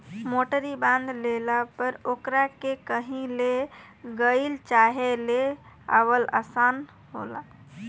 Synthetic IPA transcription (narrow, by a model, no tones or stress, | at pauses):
moʈəɾibãnd̪lelapəɾokɾakekəɦĩle | ɡəɪlt͡ʃaɦele | a̰ʋəla̰san | ɦo̰la̰